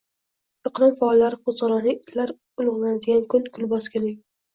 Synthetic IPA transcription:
ɪqlˠɒmfaːlˠːaɾɪqʰozʁɑɾɒnɪɪt̪ʰlaɾ | ʊlˠʊʁlˠanad̪ɪɡʲankʰʊnkʲʰʊlbɒskʲɪnɪŋ

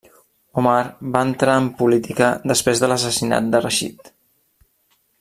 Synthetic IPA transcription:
umaɾbaənt̪ɾaəmpulit̪ikəd̪əspɾezðələs̬əsina̰t̪̚d̪ərəʃḭt̪

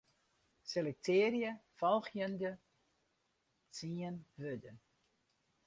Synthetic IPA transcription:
selɛk̚tʰeːəɾjəfɔlˠxjəndə | t͡siənʋødə

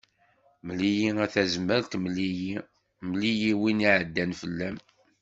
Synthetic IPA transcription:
məlijiæθæzməɾt̪məliji | mlijiwiniʕəd̪ːænfəlːæm

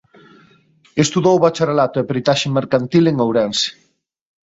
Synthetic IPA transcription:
est̪uðowβat͡ʃarelat̪ʊɛpɾit̪aʃemːeɾkant̪ileŋowɾɛnse̥

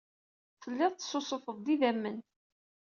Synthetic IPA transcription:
fəlːɪðˤt̪sːosˤofəðˤd̪iðæmːən

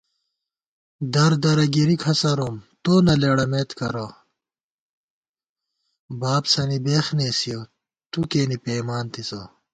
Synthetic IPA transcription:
d̪ɐɾd̪ɐɾɐɡiɾikʰɐsɐɾoːmt̪oːnɐleɽɐmeːt̪kɐɾɐ | baːbsɐnibeːxneːsijo | t̪ukeːnipeːmaːnt̪isɐ

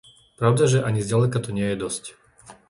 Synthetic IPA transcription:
pɾaʊd̪aʒɛʔaɲizɟalɛkat̪ɔɲɪɛjɛd̪ɔsc

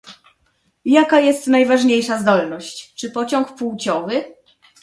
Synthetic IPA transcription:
jakajɛst̪najvaʐɲejʂazd̪ɔlnɔɕt͡ɕt͡ʂɘpɔt͡ɕɔŋkpuwt͡ɕɔvɘ

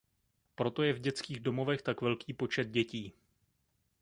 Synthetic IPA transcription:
pɾo̞t̪o̞jɛvɟɛt͡skiːɣdo̞mo̞vɛxt̪akvɛlkiːpo̞t͡ʃɛd̪̚ɟɛciː

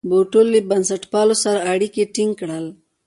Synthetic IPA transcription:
boʈolːibansaʈpɑlosaɾaaɽikeʈiŋɡkɽəl

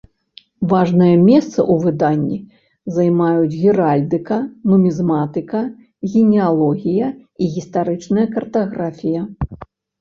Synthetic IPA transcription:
vaʐnɐjɐmʲɛst̪sɐ̰ʔuvɨd̪anʲːi | zɐjmajud͡zʲɣʲiɾalʲd̪ɨkɐnumʲizmat̪ɨkɐ | ɣʲinʲɛalˠɔɣʲijɐiɣʲist̪aɾɨt͡ʂnɐjɐkɐrt̪ɐɣɾafʲijɐ

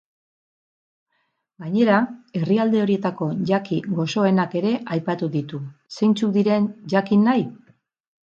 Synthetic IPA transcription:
ɡaɲe̞ɾae̞riald̪e̞o̞ɾie̞t̪ako̞ʝakiɡo̞so̞e̞nake̞ɾe̞ʔajpat̪uðit̪use̞jnt͡suk̚d̪iɾe̞nʝakinːaj

